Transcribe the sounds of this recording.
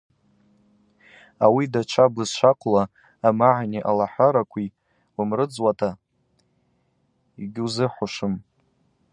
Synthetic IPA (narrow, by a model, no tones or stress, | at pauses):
awidat͡ʃʷʰablɨzʃʷʰaqʼlaː | maʕniʔalaħʷaɾakʷʰi | wamrɨd͡zwatʰa | iɡʲɪuzɨħʷʊʂɨm